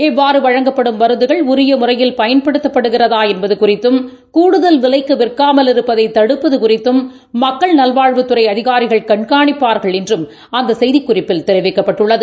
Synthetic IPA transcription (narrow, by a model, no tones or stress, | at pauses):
ɛʋːaːɾɯʋɐɻɐŋɡɐpːɐɽɯmʋɐɾɯnðd̪ɯɣɐɭʊɾɪjɐmʊrɐjɪlpɐjɐnpɐɽɯt̪ːɐpːɐɽɯɣɪrɐðaːɛnbɐðɯkʊrɪt̪ːɯm | kuːɽɯðɐlʋɪlɐɪkːɯʋɪrkːaːmɐlɪɾɯpːɐðɐɪt̪ːɐɽɯpːɐðɯkʊrɪt̪ːɯmː | ɐkːɐɭnɐlʋaːɻʋɯt̪ːɯɾɐɪɐðɪɣaːɾɪɣɐɭkɐɳkaːɳɪpːaːɾɣɐɭɛndrɯm | ɐnd̪ɐsɛjðɪkːʊrɪpːɪlt̪ɛɾɯʋɪkːɐpːɐʈːɯɭːɐðɯ